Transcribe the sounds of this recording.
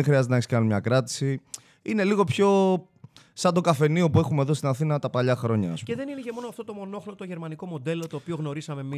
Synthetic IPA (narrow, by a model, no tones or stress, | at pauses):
exɾiɐzet̪eneksi̥kɐnunmɲɐkɾɐt̪i̥si | ine̞liɣo̞pço̞ | sɐd̪o̞kɐfe̞niopue̞xume̞ðost̪inɐθinɐt̪ɐpɐʎɐxɾo̞ɲɐceðe̞ninecemo̞noɐft̪ot̪omo̞no̞xlot̪o̞ʝe̞ɾmɐniko̞mo̞d̪e̞lo̞t̪oːpio̞ɣno̞ɾisɐme̞mi